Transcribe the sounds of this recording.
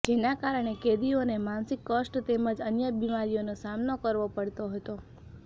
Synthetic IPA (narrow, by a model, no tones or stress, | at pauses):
d͡ʒenakaɾəɳ̃eked̪ionemansikːəsʈt̪eməd͡ʒənjəbimaɾijonosamnokəɾʋopəɽt̪oɦət̪o